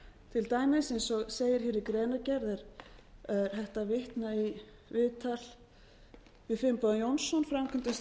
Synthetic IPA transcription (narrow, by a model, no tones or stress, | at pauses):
t̪ʰɪlt̪aːjmɪsejnsɔɣseːjɪɾ̥hɪɾɪkɾɛːnacɛɾðɛɾ̥ɛɾ̥θɛht̪avɪht̪nai | vɪːðt̪ʰal̥ | vɪðfɪmpɔðanjɔwnsɔnfɾamkʰʏnt̪ɪs